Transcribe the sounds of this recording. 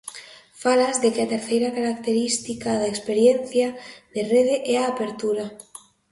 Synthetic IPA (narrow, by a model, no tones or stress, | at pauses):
falazðekɪat̪eɾθejɾakaɾakt̪eɾist̪ikaðaekspeɾjen̟θjaðereðeʔɛaːpeɾt̪uɾa